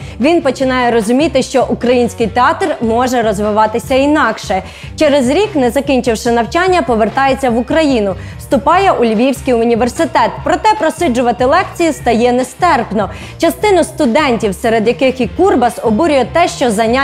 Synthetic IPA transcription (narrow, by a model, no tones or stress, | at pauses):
ʋʲinpɔt͡ʃɪnɑjɛɾɔzʊmʲit̪ɪʃt͡ʃɔʔukɾɐjinʲsʲkɪjt̪eɑt̪rmɔʒɛɾɔzʋɪʋɑt̪ɪsʲɐinɑkʃɛ | t͡ʃɛɾezɾʲiknɛzɐkʲinʲt͡ʃɪwʃɪnɐwt͡ʃɑnʲːɐpɔʋert̪ɑjet͡sʲːɐʋʊkɾɐjinʊ | wst̪ʊpɑjɛʔʊlʲʋʲiwsʲkijʊnʲiʋersɪt̪ɛt̪̚pɾɔt̪ɛpɾɔsɪd͡ʒʊʋɐt̪ɪlˠɛkt͡sʲijist̪ɐjɛnɛst̪ɛrpnɔ | t͡ʃɐst̪ɪnʊst̪ʊd̪ɛnʲtʲiwsɛɾed̪jɐkɪxikurbɐsɔbuɾʲʊjɛt̪ɛʃt͡ʃɔzɐnʲa